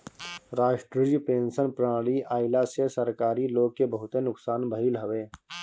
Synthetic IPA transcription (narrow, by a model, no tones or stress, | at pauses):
ɾaːʃʈɾəipẽːnsənpɾaːɽiʔaːɪlasesɐɾkaːɾiloːɡ̚kebɐɦʊt̪enʊksaːnbʱəɦilɦɐʋeː